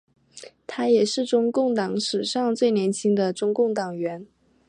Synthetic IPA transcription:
t̪ʰa˥jɛ˨˩ʂɻ̩˥˩ʈ͡ʂʊ˥ŋkʊ˥˩ŋt̪ɑ˧˥ŋʂɻ̩˨˩ʂɑ˥˧ŋt͡swe˥˩ɪnjɛ˧˥nt͡ɕʰi˥ŋd̪ə˨ʈ͡ʂʊ˥ŋkʊ˥˩ŋt̪ɑ˨˩ŋɥɛ˧˥n

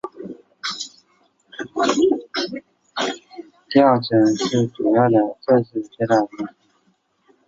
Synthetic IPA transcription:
t̪jɑ˥˩ʊʈ͡ʂə˨˩ŋʂɻ̩˥˩ʈ͡ʂu˨˩jɑ˥˩ʊd̪ə˩ʈ͡ʂə˥˧ʂ̩˥˧t͡ɕɛ˥˧t̪a˥˧t͡ɕi˥˩˥

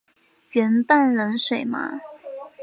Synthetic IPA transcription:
ɥɛ˧˥npa˥˩nlə˧˥nʂwe˨˩ɪma̰˦˥

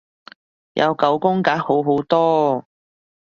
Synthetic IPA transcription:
jʔɐ̰˨˧wkɐ˨˥wkʊ˥ŋkaː˨˥k̚ho˨˥wɦwt̪ɔː˥

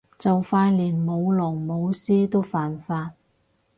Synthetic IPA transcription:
t͡sɐ˨wfaː˧nliː˨˩nmo˨˧wlɔː˨˩ŋmo˨˧wsiː˥t̪o˥wfaː˨nfaː˧t̚

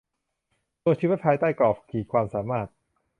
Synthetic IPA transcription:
t̪u˧jt͡ɕʰiː˧˦wi˦˥t̪̚pʰaː˧jt̪aː˥˩jkɔː˨˩pkʰiː˨˩kʰwaː˧msaː˩˦maː˥˩t̪̚

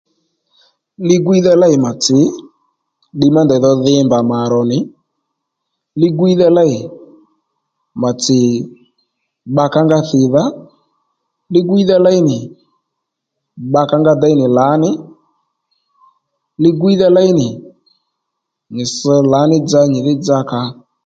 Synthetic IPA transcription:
lɪ˦ɡwi˦ða˦˧la˦ɪ˨ma˨t͡sɪ˨˦ | ɗɪ˧ma˦ndɛ˨ðɔ˧ðɪ˧˦mba˨ma˨ɾɔ˨nɪ˨˦ | lɪ˧ɡi˦ða˧la˦ɪ˨ | ma˨t͡sɪ˨ | ɓa˧ka˦ŋɡa˧θɪ˨ða˦ | lɪ˦ɡʊ˦i˦ða˦la˦i˦nɪ˨ | ɓa˧ka˦ŋɡa˧da˧˦i˦nɪ˨la˨˦nɪ˦ | lɪ˧ɡʊ˦i˦ða˦la˦i˦nɪ˨ | nɪ˨sɔ˧la˨˦nɪ˦d͡za˧ɲɪ˨lɪ˦d͡za˧ka˧

